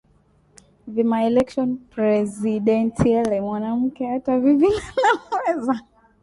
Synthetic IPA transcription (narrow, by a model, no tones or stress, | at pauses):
vimaɛlɛkʃɔnpɾɛziɗɛntiɛlɛmwanam̩kɛatavivinanawɛza